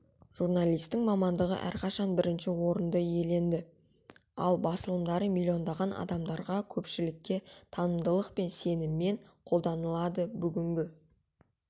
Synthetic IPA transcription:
ʒ̥urnalˠijst̪ːɪŋmɑmɑnd̪əʁə̰ʔæ̰ɾqɑʃɑnbɪɾɪnʃɪwo̞ɾənd̪əje̞le̞nd̪ɪ | ɑ̰lˠbɑsəlˠəmd̪ɑɾəmʲilʲːio̞nd̪ɑʁɑnʔɑ̰d̪ɑmd̪ɑɾʁɑkʲʰɵpʃɪlɪkʲːe̞t̪ʰɑnəmd̪əlˠəqpe̞nse̞nɪmːe̞ɴqʰo̞lˠd̪ɑnəlˠɑd̪əbʏɡʲɪŋɡʲɪ

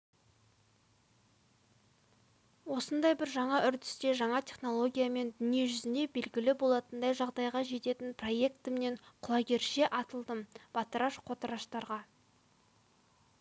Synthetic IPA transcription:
wo̞sənd̪ɑjbɪɾʒɑɴɑʔʏɾd̪ɪ̥st̪e̞ʒɑɴɑt̪ʰʲe̞χno̞lˠo̞ɡʲijame̞nd̪ʏnije̞ʒʏzɪnd̪e̞be̞lɡʲɪlɪbo̞lˠɑt̪ənd̪ɑjʒɑʁd̪ɑjʁɑʒe̞t̪e̞t̪ɪnpro̞je̞kt̪ɪmne̞ɴqʰʊlˠɑɡʲe̞ɾʃe̞ʔɑt̪əlˠd̪əmb̥ɑt̪əɾɑʃqʰo̞t̪ɑɾɑʃt̪ɑɾʁɑ

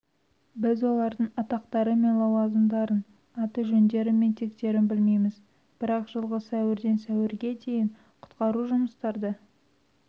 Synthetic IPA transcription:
bɪzwo̞lˠɑɾd̪əɴɑt̪ɑqt̪ɑɾəme̞nlˠɑwɑzəmd̪ɑɾən | ɑt̪əʒɵnd̪e̞ɾɪmːe̞nt̪ʰe̞kt̪e̞ɾɪnbɪlme̞jmɪz | b̥ɪɾɑqʒ̥əlˠʁəsæwɪɾd̪e̞nsæwɪɾɡʲed̪e̞jɪɴ | qʰʊ̥t̪qɑɾuʒʊməst̪ɑɾd̪ə

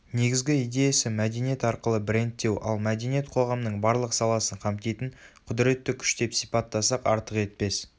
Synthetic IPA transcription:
ne̞ɡʲɪzɡʲɪijd̪e̞jasɪmæd̪e̞nije̞t̪ɑɾqəlˠəbɪɾe̞nt̪ːe̞wʔɑ̰lˠmæd̪e̞nije̞t̪qʰo̞ʁɑmnəɴbɑɾlˠəqsɑlˠɑsəɴqʰɑmt̪ejt̪ɪɴ | qʰʊd̪ɪɾe̞t̪ːɪkʲʰʏ̥ʃt̪e̞psijpɑt̪ːɑsɑqɑ̰ɾt̪əqe̞t̪̚pe̞s

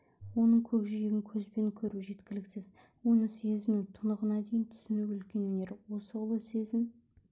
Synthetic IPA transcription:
wo̞nəɴkʲʰɵkʒije̞ɡʲɪŋkʲʰɵzbe̞ŋkʲʰɵɾuwʒe̞t̪kʲɪlɪksɪz | wo̞nəse̞zɪmut̪ʰʊnəʁənɑd̪e̞jɪnt̪ʰʏ̥sɪnuwʏlkʲe̞nneɾwo̞səlˠəsezɪm

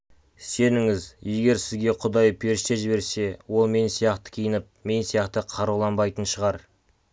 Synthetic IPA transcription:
se̞nɪŋɪzje̞ɡʲe̞ɾsɪzɡʲe̞qʰʊd̪ɑjpʰe̞ɾɪʃt̪eʒɪbe̞ɾse̞wo̞lˠme̞nsijɑqt̪ə̥kʲʰijɪnɪp̚me̞nsijɑqt̪əqʰɑɾulˠɑnbɑjt̪ənʃəʁɑɾ

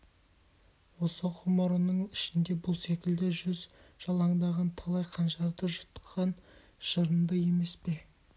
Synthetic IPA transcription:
wo̞səqʰʊməɾənəɴɪʃɪnd̪e̞bʊlˠsekʲɪld̪ɪʒʏzʒ̥ɑlˠɑɴd̪ɑʁɑnt̪ʰɑlˠɑjqʰɑnʒɑɾd̪əʒʊ̥t̪qʰɑn | ʒ̥əɾənd̪əje̞me̞spe̞

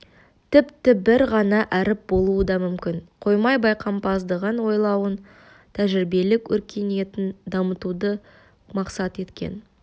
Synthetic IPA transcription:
t̪ʰɪpt̪ɪbɪɾʁɑnɑʔæɾɪp̚bo̞lˠuəd̪ɑmʏmkʲɪnqʰo̞jmɑjbɑjqʰɑmpɑzd̪əʁənwo̞jlˠɑwən | t̪ʰæʒɾɪbe̞lɪkʲʰɵɾkʲe̞ne̞t̪ɪnd̪ɑmət̪ud̪ə | mɑqsɑt̪e̞t̪kʲe̞̰n

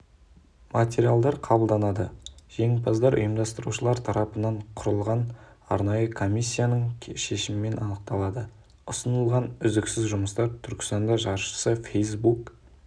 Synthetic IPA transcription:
mat̪ʲe̞ɾijalˠd̪ɑɾqʰɑbəlˠd̪ɑnɑd̪əʒ̥e̞ŋɪpɑzd̪ɑɾʔʊ̰jəmd̪ɑst̪əɾuʃəlˠɑɾt̪ʰɑɾɑpənɑɴqʰʊɾəlˠʁɑn | ɑ̰ɾnɑjəkʰo̞mijsʲːijanəɴʃe̞ʃɪmɪme̞nʔɑnəq̚t̪ɑlˠɑd̪ə | ʊsənəlˠʁɑnʏzd̪ɪksɪzʒʊməst̪ɑɾt̪ʰʏɾkʲɪ̥st̪ɑnd̪ɑʒɑɾʃə̥səfʲejs̬buk

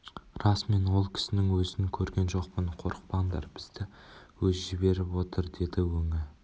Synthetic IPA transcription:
ɾɑsme̞nwo̞lˠkʲʰɪ̥sɪnɪŋwɵzɪŋkʲʰɵɾɡʲe̞nʒo̞qpɪnqʰo̞ɾəq̚pɑɴd̪ɑ̰ɾbɪzd̪ɪwɵzʒɪbe̞ɾɪpwo̞t̪əɾd̪e̞d̪ɪwɵŋɪ

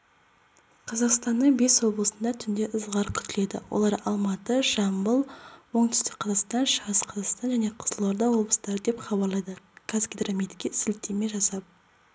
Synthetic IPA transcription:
qʰɑzɑqst̪ɑnːəɴbe̞swo̞blˠəsənd̪ɑt̪ʰʏnd̪e̞ʔəzʁɑɾəkʲʰʏ̥t̪ɪle̞d̪ɪ̰wo̞̰lˠɑɾɑlˠmɑt̪əʒ̥ɑmbəlˠwo̞ɴt̪ʏ̥st̪ɪ̥k̚ʲqʰɑzɑqst̪ɑnʃʁsqʰɑzɑqst̪ɑnʒæne̞qʰəzəlˠoɾd̪ɑwo̞blˠəst̪ɑɾəd̪e̞pχɑbɑɾlˠɑjd̪əkʰasɡʲid̪ramʲijt̪kʲːesɪlk̚t̪ʰːeme̞ʒɑsɑp̚

